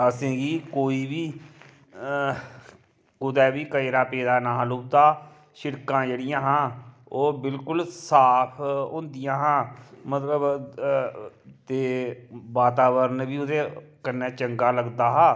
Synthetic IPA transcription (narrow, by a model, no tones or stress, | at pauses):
əsẽːɡiːkoːiːbiː | kʊd̪ɛːbiːkəɾaːpeːd̪aːnaːɦlʊːbt̪aː | ʃɪɽkãːd͡ʒeːɽɪjãːɦãː | oːbɪlkʊlsaːpʰõnd̪ɪjãːɦãːmət̪ləb | t̪eːbaːt̪aːʋəɾnbiːʊd̪eːkənːɛːt͡ʃəŋɡaːləɡd̪aːɦaː